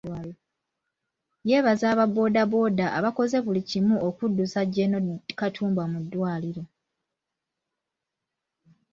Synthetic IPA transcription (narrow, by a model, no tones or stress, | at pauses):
je̞ːβazaːβabo̞ːdabo̞ːdaʔaβako̞ze̞βulicimuokudːusaɟe̞nokatʰuːmbamudːwaːliɾo̞